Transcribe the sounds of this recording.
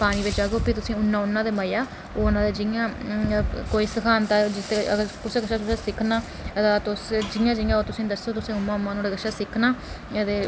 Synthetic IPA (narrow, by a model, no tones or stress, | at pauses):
paːɽ̃iːʋɪt͡ʃaːɡoːpiːt̪ʊsĩːʊnːãːʊnːãːd̪eːməjaː | oːʊnãːd̪eːd͡ʒɪjãː | koːiːsəkʰaːnt̪aːd͡ʒɪt̪ːeːəɡəɾkʊseːkəʃaːtʊseːsɪkʰnaː | t̪ãːt̪ʊsd͡ʒɪjãːd͡ʒɪjãːoːt̪ʊsĩːd̪əsːoːt̪ʊsĩːʊmːãːʊmːaːnũːɖeːɡəʃaːsɪkʰnaː | ət̪eː